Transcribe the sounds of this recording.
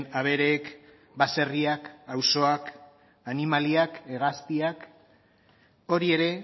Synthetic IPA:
naβe̞ɾeːk | base̞riakawso̞ak | animaliakeɣast̪iak | o̞ɾie̞ɾe̞

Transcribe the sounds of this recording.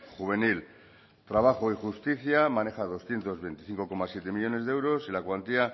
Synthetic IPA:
xuβ̞e̞nil | t̪ɾaβaχoixust̪iθjamãne̞xað̞o̞sθje̞nt̪o̞zβe̞jnt̪i̥θiŋko̞ko̞masjet̪e̞miʎo̞ne̞zðeewɾo̞silakwant̪ia

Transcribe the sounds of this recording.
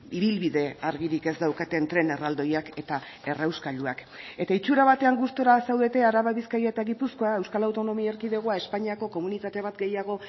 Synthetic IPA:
iβilβiðe̞aɾɣiɾike̞zd̪awkat̪e̞nt̪ɾe̞ne̞rald̪o̞jake̞t̪ae̞rawskaluake̞t̪ait͡ʃuɾaβat̪e̞aŋɡust̪oɾasawðe̞t̪e̞aɾaβaβiskaɾjaet̪aɣipusko̞ae̞wskalawt̪o̞no̞miaeɾkiðe̞ɣ̞oae̞spaɲiako̞ko̞munit̪at̪e̞β̞at̪ɡe̞jaɣ̞o̞

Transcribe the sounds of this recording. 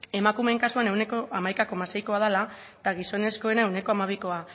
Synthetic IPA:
e̞makume̞ŋkasuane̞wne̞ko̞ʔamajkako̞mase̞jko̞að̞ala | t̪aɣiso̞ne̞sko̞e̞nae̞wne̞ko̞amaβiko̞a

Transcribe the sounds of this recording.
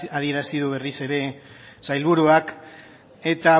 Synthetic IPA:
aðie̞ɾasiðuβ̞e̞rise̞ɾe̞sajlβuɾuak | e̞t̪a

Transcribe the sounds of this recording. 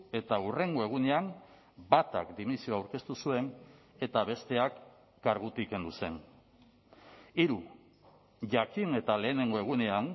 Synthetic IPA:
e̞t̪aure̞ŋɡo̞e̞ɣ̞une̞am | bat̪a̰kd̪imisioawɾke̞st̪usue̞n | e̞t̪aβe̞st̪e̞akː | aɾɣut̪ike̞nd̪use̞n | iɾu | ʝakine̞t̪ale̞ːne̞ŋɡo̞e̞ɣ̞une̞an

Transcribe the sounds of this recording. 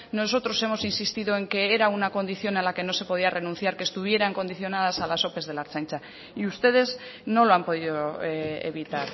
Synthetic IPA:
no̞so̞t̪ɾo̞se̞mo̞sinsist̪iðo̞e̞ŋke̞eɾaunako̞nd̪iθjo̞ne̞nlake̞no̞se̞po̞ðiarʔe̞nũn̟θjaɾkeːst̪uβ̞je̞ɾaeŋko̞nd̪iθjonað̞asalaso̞pe̞zðe̞laɾt͡ʃant͡ʃa | iust̪e̞ð̞e̞zno̞lo̞ampo̞ðiðoḛβit̪aɾ

